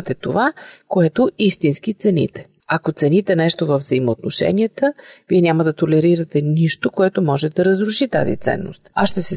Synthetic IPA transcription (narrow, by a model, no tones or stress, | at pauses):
t̪ɛt̪ovakoɛt̪oist̪insk̟it̪sɛnḭt̪ɛ̥ | ɐkot̪sɛnit̪ɛnɛʃt̪ovəvzəimoot̪noʃɛ̰niət̪əviɛnʲaməd̪ɐt̪olɛɾiɾɐt̪ɛniʃt̪okoɛt̪omɔʒɛt̪d̪ɐɾəzɾuʃit̪a̰zḭt̪sɛ̰nːo̰st̪asʃt̪ɛsɛ